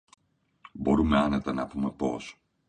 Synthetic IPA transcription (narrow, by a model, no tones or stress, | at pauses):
bo̞ɾume̞ɐnet̪ɐnɐpume̞po̞̰s